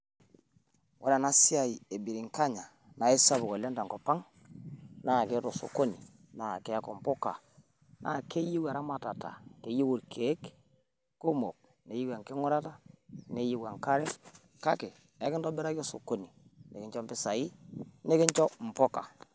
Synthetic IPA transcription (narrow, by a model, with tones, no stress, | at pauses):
wʔɔ˨˦la˨na˦si˦a˨i˨e˨bi˨ɾi˨ŋka˦ɲa˨ | na˨e˦sa˦bʊ˨kɔ˨la˦nda˨ŋkɔ˨pa˦ŋ | na˦˨ke˦tɔ˨so̰˨ko˦nḭ˨ | na˨ke˨˦a˦kɔ˨mpɔ˦ka̰˨ | nʔa̰˦˨ke˦ji˦wa˨ɾa˦ma˨ta˨ta̰˨ke˨ji˦wu˨ɾkʰe˨˦k | ku˦mo˨k̚ | ne˨ji˦wa˨ŋkɪ˦ŋʊ˦ɾa˦ta˦ne˦ji˦wa˨ŋka˦ɾɛ˦ | ka˦ke˨ | ɛ˨˦kɪ˦ndɔ˦bɛ˦ɾa˦kɔ˦so̰˨ko˦ni˨nḛ˨kɪ˦ɲt͡ʃɔ˦mpɪ˦sa˨i˦ne˦kɪ˦ɲt͡ʃɔ˦m̩˨pɔ˦ka̰˨